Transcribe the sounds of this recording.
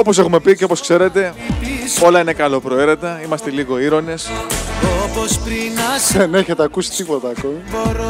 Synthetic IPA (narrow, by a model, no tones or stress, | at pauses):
opo̞s̬e̞xume̞piceopo̞skse̞ɾe̞t̪e̞ | o̞lɐine̞kɐlo̞pɾo̞e̞ɾe̞t̪ɐimɐst̪eliɣo̞iɾo̞ne̞sopospɾinsene̞çe̞t̪eɐkusi̥t̪ipo̞t̪ɐːkomiɾ